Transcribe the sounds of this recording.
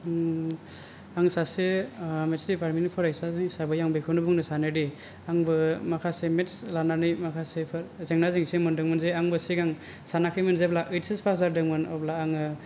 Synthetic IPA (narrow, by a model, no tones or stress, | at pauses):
aŋsasemetsɾipaɾminipʰɔɾajsazɯŋsabɯjaŋbɯjkʰɯnɯbɔŋnɯsanɯdi | aŋbɯmakʰasemetslananɯjmakʰasepʰɾzeŋnazeŋsemɔndɯŋmɯnzeaŋbɯsiɡaŋ | sanakʰɯjmɯnzeblaʔɯjtsespʰakzaɾdɯŋmɯnɔ̰plaːŋɯ